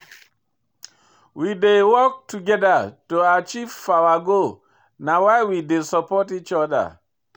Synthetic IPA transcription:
widewɔk̚tʰuɡɛdatoat͡ʃiv̥fawaɡo | nawaɪwidesəpɔtit͡ʃɔda̰

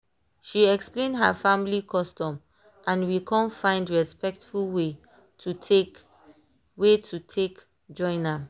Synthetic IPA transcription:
ʃiɛksplẽndɦafãmilikʰɔstɔ̃m | ʔãnwikʰɔ̃nfãɪ̃ndɹɛspɛk̚tfulwe | tu | wetʰutʰek | d͡ʒɔ̃ɪ̃na

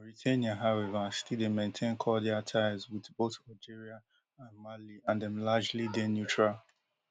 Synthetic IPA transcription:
ɹitʰeniaɦaʊɛvaastidemẽntʰẽnkʰɔdɛatʰaɪzwɪðboθaɪd͡ʒiɹia | ãnmaliãndɛ̃mlad͡ʒlidenjutɹa

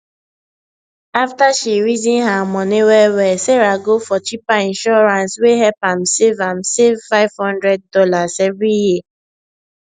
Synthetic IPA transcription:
aftaʃiɹizĩnɦamɔniwɛwɛseɹaɡofɔt͡ʃipaĩnʃɔɹãnsweɦɛpãmsevãmsevfaɪv̥hɔ̃ndɹɛd̚dɔlasɛvɹiji

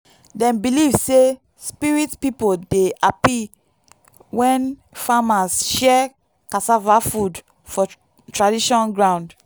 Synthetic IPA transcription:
dɛ̃mbilivse | spiɹitpipodeʔapi | wɛ̃nfamasʃɛ | kasavafud | fɔ | tɹadiʃɔ̃nɡɹãʊ̃nd

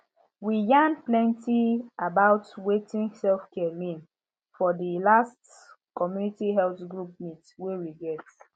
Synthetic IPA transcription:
wijãnplɛ̃ntiabaʊtwetĩnsɛlfkɛmĩn | fɔdilast | kɔmjunitiɦɛlθɡɹup̚mitwewiɡɛt

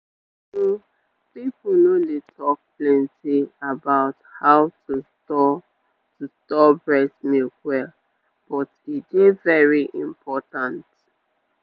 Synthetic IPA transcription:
so | pipunodetʰɔk̚plɛ̃ntiabaʊthaʊtu | ɔ | tustɔbɹɛsmiwɛl | b̥ɔtidevɛɹiʔĩmpʰɔtãnt

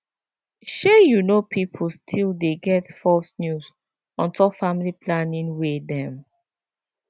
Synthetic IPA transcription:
ʃɛjunopʰipʰulstʰildeɡɛtfɔlsnjuz | ɔ̃ntʰɔkfamiliplanĩnwedɛ̃m

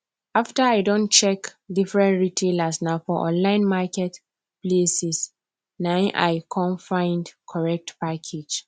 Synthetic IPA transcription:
aftaaɪdɔ̃nt͡ʃɛkdifɹɛ̃ntɹitʰelasnafɔʔɔ̰̃nlãɪ̃nmakɛt | plesis | nãnʔa̰ɪkʰɔ̃nfãɪ̃ndkʰɔɹɛk̚tpakʰed͡ʒ

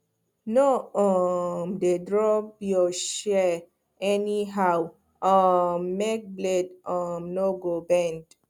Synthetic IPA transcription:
noɔmdedɹɔpjɔʃɛ | ɛniɦaw | ɔmːek̚bledɔmnoɡobɛ̃nd

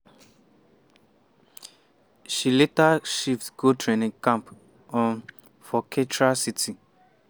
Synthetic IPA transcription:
ʃiletaʃiftɡotɹenĩŋkãmp | ɔ̃n | fɔkʰetɹasitʰi

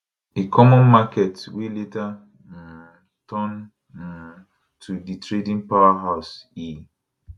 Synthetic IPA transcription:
ekʰɔmɔ̃nmakɛtweleta | tʰɔ̃n | tʰuditɹedĩnpawaɦaʊsi

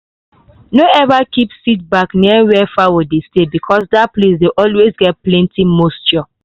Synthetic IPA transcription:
noɛvakipsit̚bakniwɛfawidestebikʰɔsdaplesdeʔɔlwesɡɛt̚plɛ̃ntimostjɔ

